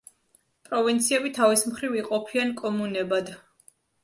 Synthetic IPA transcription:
pʼɾɔvint̪sʰiɛbit̪ʰavismχɾiviqʼɔpʰiankʼɔmunɛbad̪

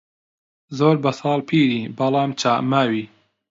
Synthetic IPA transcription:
zoːɾbɐsɑːlˠpʰiːɾiːbɐlˠɑːmt͡ʃʰaːʔmaːwiː

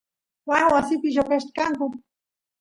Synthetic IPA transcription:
wawasɪpɪjokaʃt̪kaŋkʊ

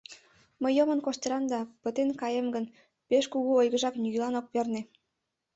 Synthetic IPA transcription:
məjːomənkoʃt̪əɾɑnd̪ɑpət̪enkɑjəmɡən | peʃkuɣuojɣəʒɑknyɣilɑnok̚perne

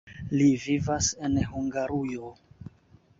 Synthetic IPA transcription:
livivase̞nhuŋɡaɾujo

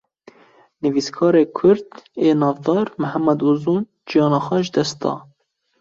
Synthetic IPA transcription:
nɨviːskʰɑːɾeːkʰʊɾd̪eːnɑːvd̪ɑːɾmɨhæmːɛd̪uzuːn | d͡ʒijɑːnɑːxʷɛʒɨd̪ɛst̪̚d̪ɑ̰ː

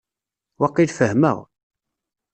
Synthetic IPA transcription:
wɑqːilfəhmæ̰w

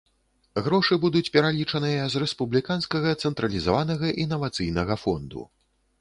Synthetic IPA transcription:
ɣɾɔʂɨbud̪ut͡sʲpʲɛɾalʲit͡ʂɐnɨjɐzrɛspublʲikanskɐɣɐt̪sɛnt̪ɾɐlʲizavanɐɣɐʔinːɐvat̪sɨjnɐɣɐfɔnd̪ṵ

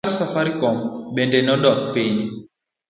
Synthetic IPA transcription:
ɾsafaɾikɔmbendɛnɔdɔt̪̚piɲ

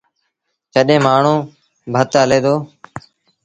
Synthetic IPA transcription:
kəɗẽːmaːɳ̤ũː | bʱət̪ɦəleːd̪oː

